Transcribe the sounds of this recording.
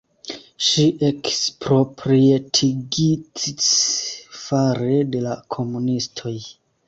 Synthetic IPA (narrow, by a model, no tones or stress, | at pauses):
ʃiʔekspɾo̞pɾietʰiɡit͡sis | faɾe̞de̞lakʰo̞munistʰo̞j